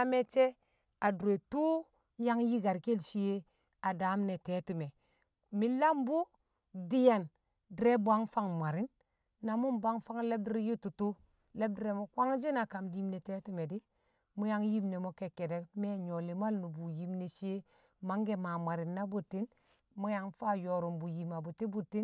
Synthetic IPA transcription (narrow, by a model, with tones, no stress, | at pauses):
a˦me˦t͡ʃe˦ | a˨du˨ɾe˨tu˦ | ja˦ŋji˦ɡa˨ɾke˦lʃi˦je˦ | a˨da˨˦mne˨te˨˦tu˨me˨ | mi˦la˦mbu˦ | di˦ja˨n | dɾe˦bu˨a˦ŋfa˦ŋmʷa˨ɾi˦nː | a˨mu˦nbʷa˦ŋfa˦ŋle˦b̚di˦ɾi˦ju˦tu˨tu˦ | le˦b̚di˦ɾe˨mo˦kwa˦ŋd͡ʒi˦na˨ka˨mdi˦mne˨te˦ti˦me˨di˦ | mu˦ja˦ŋji˦mne˨mo˦ke˨kːe˨de˨˦me˦ɲo˨li˨ma˦lnu˨bu˨ji˨mne˨ʃi˦e˦ | ma˨˦ŋɡe˦ma˨mʷa˨ɾi˨nːa˦bu˨tːi˦n | mu˦ja˨ŋfa˦jo˨ɾu˨mbu˨ji˨ma˨bu˨ti˦bu˨tːi˦n